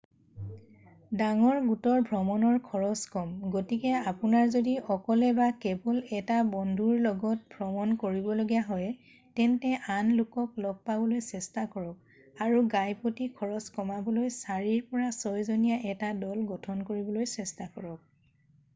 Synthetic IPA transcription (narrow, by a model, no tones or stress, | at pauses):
daŋɔɹɡutɔɹbʱɹɔmɔnɔɹkʰɔɹɔskɔmɡotikɛapunaɹzodiʔɔkɔlɛbakɛbɔlɛtabɔndʱuɹlɔɡɔt̚bʱɹɔmɔnkoɹibɔloɡijaɦɔj | tɛntɛʔanlʊkɔklɔb̚pabɔlojsɛstakɔɹɔk̚ | aɹuɡajpotikʰɔɹɔskɔmabɔlojsaɹiɹpɔɹasɔjzonijaʔɛtadɔlɡɔtʰɔnkoɹibɔlojsɛstakɔɹɔk̚